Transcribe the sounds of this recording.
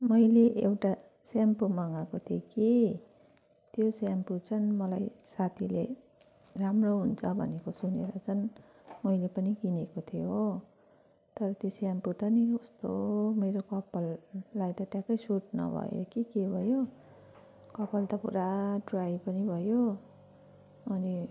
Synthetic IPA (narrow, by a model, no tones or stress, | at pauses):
mʌjleʔewʈa | sampumʌŋakot̪ʰjoki | t̪josamput͡sʰʌnmʌlajsat̪ʰilḛ | ramroɦunt͡sʰʌbʱʌ̰nekosuneɾʌt͡sʰʌn | mʌjlepʌnikinekot̪ʰijoo | t̪ʌɾʌt̪josamput̪ʌniost̪omeɾokʌpʌlːajt̪ʌʈjakʌjsuʈ̚nʌ̰bʱʌ̰jo̰kikebʱʌjo | kʌpʌlt̪ʌpṵɾaɖrajpʌnibʱʌjo | ʌni